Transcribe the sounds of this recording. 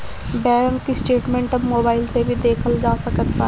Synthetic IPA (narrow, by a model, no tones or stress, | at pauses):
bɛːɾəŋkisʈeːʈmɛ̃ːɳʈəmoːbaːɪlsebʱid̪eːkʰəld͡ʒaːsəkət̪pə